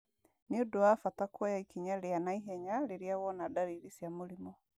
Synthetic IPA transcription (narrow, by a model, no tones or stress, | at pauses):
neodoafatakwɔjaikiɲaɾeanaiɦɛɲaɾeɾiawɔnadaɾiɾisjamoɾimɔ